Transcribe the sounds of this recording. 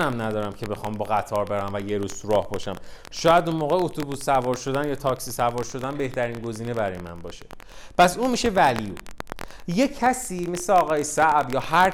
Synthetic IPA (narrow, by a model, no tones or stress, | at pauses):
næmnæd̪ɒːɾæmcʰe̞be̞xɒːmbɒːɣæt̪ʰɒːɾbe̞ɾæmvæje̞ɾuz̥t̪ʰuɾɒːhbɒːʃæm | ʃɒːjæd̪unmoːɣeot̪ʰobusːævɒːɾʃo̞d̪ænjɒːt̪ʰɒcsisævɒːɾʃo̞d̪ænbe̞ht̪ʰæɾiːnɡo̞ziːne̞bæɾɒjemæ̰nbɒ̰ːʃepʰæsuːnmiʃe̞væliu | jecʰæsiːmesleɒːɣɒːjesæʔbjɒːhæɾ